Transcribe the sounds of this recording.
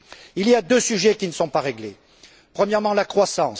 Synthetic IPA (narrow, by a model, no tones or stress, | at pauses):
iliad̪øsyʒɛkʲinəsɔ̃paʁeɡle | pχəmjɛʁmɑ̃lakχwasɑ̃s